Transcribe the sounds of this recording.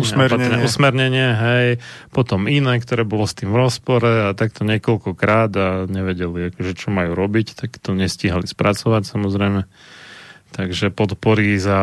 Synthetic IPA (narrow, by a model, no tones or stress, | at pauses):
usɛɛusmɛɾɲɛɲɪɛɦɛjpɔt̪ɔminɛːkt̪ɔɾɛːbɔlɔst̪iːmvɾɔspɔɾɛat̪akt̪ɔɲɪɛkɔlkɔkɾaːd̪aɲɛʋɛɟɛliakɔʒɛt͡ʃɔmajuːɾɔbict̪akt̪ɔɲɛsciɦalispɾʔat͡sɔʋacsamɔzɾɛjmɛ | t̪aɡʒɛpɔt̪pɔɾiza